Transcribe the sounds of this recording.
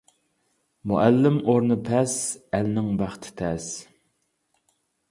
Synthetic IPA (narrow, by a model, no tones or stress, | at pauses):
muʔælːɪmoɾnɨpʰɛsælnɪŋbæχt̪ʰɪ̥t̪ʰɛs